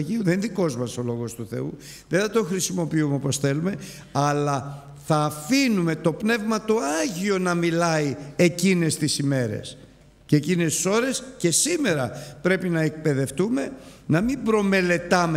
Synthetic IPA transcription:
ʝiuðenðiko̞zmɐso̞lo̞ɣo̞st̪uθe̞̰u | ðeθɐt̪o̞xɾisimo̞piumeo̞po̞sθe̞lume̞ | ɐlɐ | θɐːfinume̞t̪o̞pne̞vmɐt̪o̞ɐʝio̞nɐmilɐie̞cine̞st̪isime̞ɾe̞̰s | ceecinest̪i̥so̞ɾe̞sce̞sime̞ɾɐpɾe̞pinɐek̚pe̞ðe̞ft̪ume̞nɐmibɾo̞me̞le̞t̪ɐme

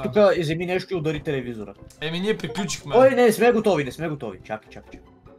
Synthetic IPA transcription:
ukəizɛminɛʃt̪ʊiʊd̪əɾit̪ɛlɛvizoɾə̰ɛminiɛpɾiklʲut͡ʃi̥xmɛojnɛsmɛɡot̪ɔvinɛsmɛɡot̪ɔvḭt͡ʃa̰ki̥t͡ʃaki̥t͡ʃak

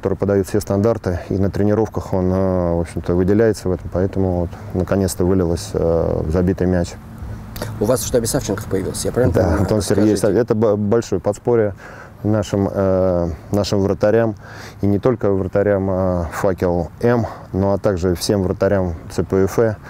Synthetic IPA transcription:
kt̪o̞ɾɨjpəd̪ɐjut̪fʲsʲest̪ɐnd̪art̪ɨḭnət̪ɾʲɪnʲɪɾo̞fkəxo̞nvo̞pɕːɪmt̪əvɨdʲɪlʲæjɪt̪səvɛt̪əmpɐɛt̪əmʊvot̪ | nəkɐnʲet̪st̪əvɨlʲɪlˠəsʲə̰vzɐbʲit̪ɨjmʲæt͡ɕ | ʊvasʃt̪oɐbʲɪsaft͡ɕɪnkə̥xpəjɪvḭlˠəsʲjapɾavd̪at̪onsʲɪrɡʲejsaɛt̪əbɐlʲʂo̞jəpɐt̪spoɾʲɪə | naʂɨm | naʂɨmvɾət̪ɐɾʲam | inʲɪt̪o̞lʲkəvɾət̪ɐɾʲaməfakʲɪlˠɛm | no̞ɐt̪aɡʐɨfsʲe̞mvrət̪ɐɾʲamt̪sɨpəɛfɛ

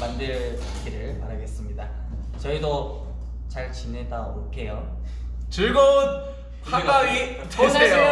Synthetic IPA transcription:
mandɯɭpakʰiɾɯɭmaɾaɡe̞s͈ɯmɲida | t͡ɕʌido | t͡ɕaɭt͡ɕinedaok͈ʰe̞jo | t͡ɕɯɭɡot̚ | kʰak͈aɡi | t͡ɕosʰee

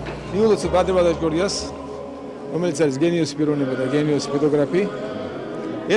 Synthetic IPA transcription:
niulˠɔsɔbad̪ɾɛβad̪at͡ʃkʼɔɾias | ɔmɛlit̪saɾis̬ɡɛniɔsipiɾɔnimɔd̪aɡɛniɔsi̥pʰɔt̪ɔɡɾapi | ɛ

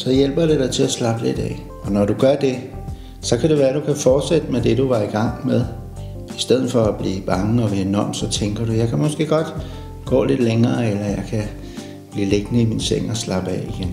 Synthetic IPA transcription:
sɒ̽jel̰b̥ɐd̥e̝dɑ̈ɪt͡sʰe̝æslɑ̈b̥l̥e̝d̥ɛ̰ː | ɒ̽nɒɾuɡ̥ɶɐd̥e̝ | sɒ̽kʰæɾe̝ʋæːɐdukʰæfɒːd̥sed̥əmed̥e̝d̥uʋɑ̈iɡ̥ɑ̈ŋ̰meðˠ | isd̥eð̰ˠð̩ˠfɒ̽æb̥liːb̥ɑ̈ŋəɒ̽ʋæːɐnɒmsɒ̽t͡sʰeŋɡ̥ɐɾujɑ̈ɪkʰæmɒ̽sɡ̥e̝̰ːɡ̥ɒ̽d̥ | ɡ̥ɔ̰̽ːle̝d̥leŋɐːelɐjɑ̈ɪkʰæ | b̥lḭːleɡ̥nəiminseŋ̰ɒ̽slɑ̈b̥ɛ̰iɡ̥en

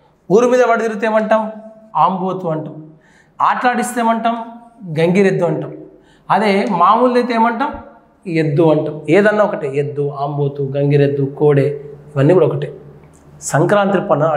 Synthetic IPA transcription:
uːɾumiːd̪ɐʋɐɽuɡiɾit̪eːmɐɳʈɐm | aːmboːt̪uɐɳʈɐm | aːʈɾaːʈist̪eːmɐɳʈɐmɡɐŋɡiɾed̪ːuɐɳʈɐm | ɐd̪eːmaːmuːld̪et̪eːmɐɳʈɐm | ed̪ːuɐɳʈɐmeːd̪ɐnːaːɔkɐʈied̪ːuaːmboːt̪uɡɐŋɡiɾe̞d̪ːukoːɽeːiʋɐnːiːkuɽɐɔkɐʈi | sɐŋkɾaːnt̪ɾipɐnːɐ

